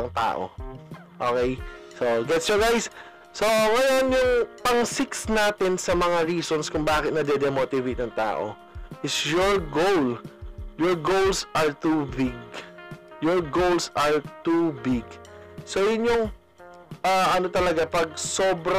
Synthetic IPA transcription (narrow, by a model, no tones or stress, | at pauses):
ɐŋt̪a̰ːʔo̰ | ʔo̰kɛjsoɡɛt̪sjɔɡajs | soŋɐjonjʊŋpɐŋsɪksnaːt̪ɪnsɐmɐŋaɹiːsonskʊŋbaːkɪt̪̚nɐd̪ɛd̪ɛmoːt̪ɪvejt̪̚nɐŋt̪a̰ːʔo̰ | ʔɪsjɔɹɡowljɔɹɡowlsʔɐɹt̪ubɪɡ̚ | jɔɹɡowlsʔɐɹt̪ubɪɡ | sojʊnjoŋ | ʔaːʔɐno̞t̪ɐlɐɡapɐɡ̚soːbɾ